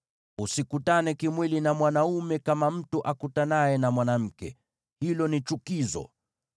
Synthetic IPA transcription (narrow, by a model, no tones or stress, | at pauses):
usikutanɛkimwilinamwanaumɛkamam̩tuʔakutanajɛnamwanam̩kɛ | hilɔnit͡ʃukizɔ̰